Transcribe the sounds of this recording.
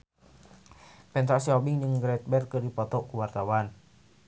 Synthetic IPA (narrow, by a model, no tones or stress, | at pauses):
pɛnt̪ɾasiɔbiŋd͡ʒəŋɡɾɛt̪̚bɛrkɨdipɔt̪ɔkuwart̪awan